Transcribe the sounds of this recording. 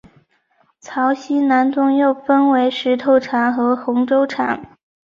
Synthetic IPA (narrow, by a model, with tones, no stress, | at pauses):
t͡sʰɑ˧˥ʊɕi˥na˧˥nt͡s̪ʊ˥ŋjo˥˩ʊfə˥nwe˧˥ɪʂɻ̩˧˥t̪ʰo˧˩ʊʈ͡ʂʰa˨˩nxɤ˧˥xʊ˧˥ŋʈ͡ʂo˥ʊʈ͡ʂʰa̰˨˩˦n